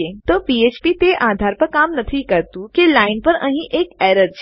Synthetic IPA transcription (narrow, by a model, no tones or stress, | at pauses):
eːt̪oːpiːeːt͡ʃpiːt̪eʔaːd̪ʱaːɾpɐɾkaːmnɐt̪ʰikɐɾt̪ukelaːɪnpɐɾɐɦĩʔeːkɛːɾəɾd͡ʒ